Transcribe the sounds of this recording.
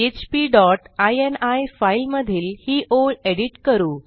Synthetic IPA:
et͡ɕpiɖɔʈajenajfailməd̪ʱiːlhiːʔoɭeɽiʈkəɾuː

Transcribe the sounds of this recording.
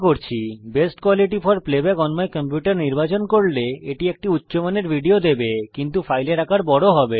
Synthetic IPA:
koɾt͡ɕʰibesʈkwaliʈifɔɾplebɛkɔnmaekəmpjuʈaɾniɾbat͡ɕonkoɾleeʈiek̚ʈiutːɕomaneɾbʱiɖiod̪ebekint̪ufajleɾakaɾbɔɽoɦɔbe

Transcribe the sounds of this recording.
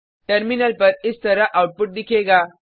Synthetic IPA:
ʈɐɾminɐlpɐɾɪst̪ɐɾaʔawʈ̚pʊʈ̚dikʰeɡaː

